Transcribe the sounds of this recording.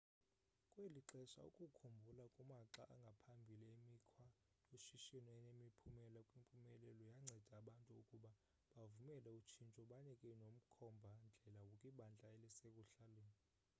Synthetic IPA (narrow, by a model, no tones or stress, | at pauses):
kʼweliǁɛʃa̰ṵkʼukʰumbʱulakʼumaǁaʔaŋɡʱapʰambʱiliemikʰwa | joʃiʃɛnɔɛnemipʰumɛlakʼwimpʼumɛlɛlɔjaŋ͡ǀʱɛd̥ʱaːɓantʼuukʼuɓa | ɓavumɛlɛut͡ʃʰint͡ʃʼɔɓaɲɛkʼɛnom̩kʰɔmbʱand͡ɮʱɛlawukʼiɓand͡ɮʱaɛlɛsekʼuɬaleːni